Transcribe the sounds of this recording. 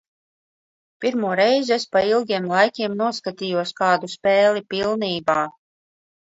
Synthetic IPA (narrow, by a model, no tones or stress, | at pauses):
piɾmuɔɾɛjzespailˠɡʲiɛmlˠajkʲiɛmnuɔskat̪iːjuɔskaːd̪uspʲɛːlʲipʲilˠniːbaː